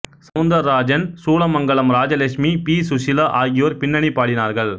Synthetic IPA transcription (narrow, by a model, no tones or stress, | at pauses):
sɐʋnd̪ɐɾːaːd͡ʒɐnsuːlɐmɐŋɡɐɭɐmɾaːd͡ʒɐlɐkʂmipiːsʊʂɪlɐʔaːɣɪjɐɾpɪnːɐɳipːaːɽɪnaːɾɣɐɭ